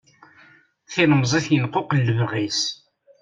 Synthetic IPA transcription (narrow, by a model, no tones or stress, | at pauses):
θɪnmzˤiθjənqːoqəlːəvʁis